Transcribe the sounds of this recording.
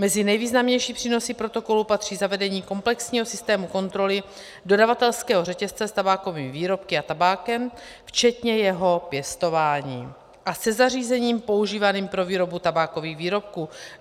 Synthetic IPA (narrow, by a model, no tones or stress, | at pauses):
mɛzɪnɛjviːznamɲɛjʃiːpr̥iːno̞siːpɾo̞t̪o̞ko̞lupat̪r̝̥iːzavɛdɛɲiːko̞mplɛksɲiːɦo̞sɪst̪ɛːmuko̞nt̪ɾo̞lɪ | do̞davat̪ɛlskɛːɦo̞rɛcɛst͡sɛst̪abaːko̞vimviːɾo̞p̚kɪat̪abaːkɛm | ft͡ʃɛt̪ɲɛjɛɦo̞pjɛst̪o̞vaːɲiː | ʔasɛzariːzɛɲiːmpo̞uʒiːvaniːmpɾo̞viːɾo̞but̪abaːko̞viːɣviːɾo̞p̚kuː